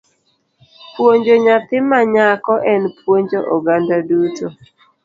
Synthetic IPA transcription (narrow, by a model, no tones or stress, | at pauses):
pwoɲd͡ʒoɲat̪ɪmaɲakɔʔɛnpwoɲd͡ʒoʔɔɡandaduto